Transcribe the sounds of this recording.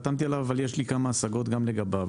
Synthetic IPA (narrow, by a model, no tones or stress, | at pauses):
t̪amt̪ialavavaljeʃlikamaːsaɡo̞t̪ɡamleɡaba